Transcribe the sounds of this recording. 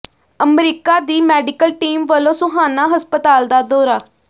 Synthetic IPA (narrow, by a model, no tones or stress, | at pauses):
əmɾiːkaːd̪iːmɛːɖɪkəlʈiːmʋəlõːsʊɦaːnaːɦəspət̪aːld̪aːd̪oːɾaː